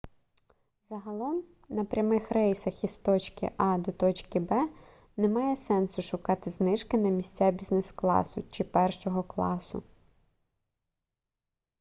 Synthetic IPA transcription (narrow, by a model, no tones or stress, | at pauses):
zɐɦɐlˠɔm | nɐpɾʲɐmɪxrɛjsɐxist̪ɔt͡ʃkɪ̰ʔɑd̪ɔt̪ɔt͡ʃkɪbɛ | nɛmɑjɛsɛnsʊʃʊkɑt̪ɪznɪʃkɪnɐmʲisʲt͡sʲabʲiznɛsklˠɑ̰sʊt͡ʃɪpɛrʃɔɦɔklˠɑ̰sʊ̰